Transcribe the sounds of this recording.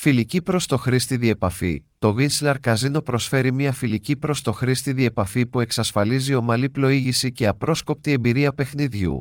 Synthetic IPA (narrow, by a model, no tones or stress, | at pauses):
filicipɾo̞st̪o̞xɾist̪iðie̞pɐfḭt̪o̞ɣinslɐɾkɐzino̞pɾo̞sfe̞ɾimɲɐfilicipɾo̞st̪o̞xɾist̪iðie̞pɐfipue̞ksɐsfɐlizio̞mɐliplo̞iʝisice̞ɐpɾo̞sko̞p̚t̪ie̞mbiɾiɐpe̞xniðʝṵ